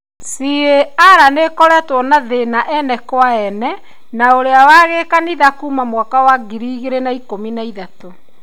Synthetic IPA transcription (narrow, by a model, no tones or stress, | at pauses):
sieaɾanekɔɾɛtwɔnaðenaʔɛnɛkwaɛnɛ | naoɾeawaɣekaniðakuːmamwakawaɡiɾiɣeɾenaikominaiðato